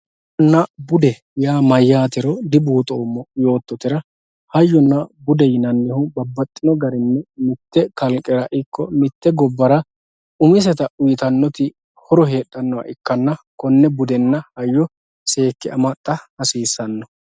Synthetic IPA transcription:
ɔnːɐbʊd̪ɛ | jaːmɐjːaːt̪ɪɾɔd̪ɪbuːt̪ʼoːmːɔjo̞ːt̪ːɔt̪ɪɾɐ | hɐjːɔnːɐbʊd̪ɛjɪnɐnːɪhʊbɐbːɐt̪ʼːɪnɔɡɐɾɪnːɛmɪt̪ːɛkɐlkʼːɛɾɐʔɪkːɔmɪt̪ːɛɡɔbːɐɾɐ | ʊmɪs̬ɛt̪ɐʊjɪt̪ɐnːɔt̪ɪ | hɔɾɔhe̞ːɗːɐnːɔwɐ̰ʔɪkːɐnːɐkɔnːɛbʊd̪ɛnːɐhɐjːɔ | se̞ːkːɪɐ̰mɐt̪ʼːɐhɐsiːsːɐnːɔ

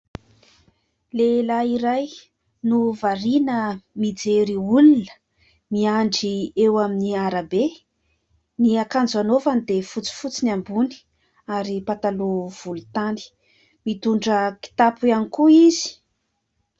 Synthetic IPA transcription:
lelaiɾaj | nuvaɾinəmid͡zeɾiulunə̥ | miaɳɖ͡ʐiewaminiaɾabe | niakand͡zanovanid̪efut͡si̥fut͡sinambuni̥ | aɾipat̪alov̥ulut̪ani̥ | mit̪uɳɖ͡ʐəki̥t̪apujanikuizi̥

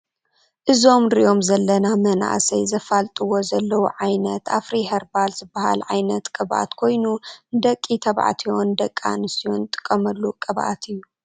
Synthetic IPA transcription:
ʔɨzo̞mɾiʔo̞mzɐlːɐnamɐna̰ʔsɐjzɐfalt̪ʼɨwo̞zɐlːɐwuʕajnɐt̪a̰fɾiɦɐɾbalzɨbːaha̰lʕajnɐt̪kʼɨbʔa̰t̪kʰo̞jnud̪ɐkʼːit̪ʰɐβʕa̰t̪ʰio̞nd̪ɐkʼːa̰nɨsiont̪ʼɨ̥kʼːɐmɐlːukʼɐβʔa̰t̪ʰɨjːu

